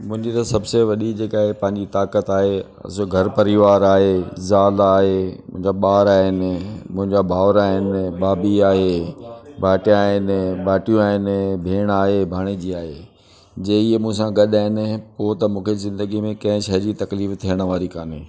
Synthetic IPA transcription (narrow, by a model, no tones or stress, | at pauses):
mʊ̃ɦɪ̃ɲd͡ʑt̪asɐbseʋɐɗid͡ʑeːkaːɦepɐ̃ɦɪ̃ɲd͡ʑit̪aːkət̪aːɦe | ɐ̰soɡʱɐɾpɐɾiʋaːɾaːɦezaːlaːɦemʊ̃ɦɪ̃ɲd͡ʑaɓaːɾaːɦɪnɪ̆mʊ̃ɦɪ̃ɲd͡ʑabʱaːʋɾaːɦɪnɪ̆ɓaːbiaːɦe | baːʈjaːɦɪnɪbaːʈijũaːɦɪnɪ̆bʱeːɽ̃aːɦebʱaːɽ̃ed͡ʑiːaːɦḛː | d͡ʑeːiemũɦɪ̃sãɡɐɗaːɦɪnɪ̆poːt̪ɐmũːkʰezɪ̃nd̪əɡimẽkɐ̃ɦɪ̃ʃɐɦɾit̪ɐkliːft̪ʰijəɽ̃ʋaːɾikaːneː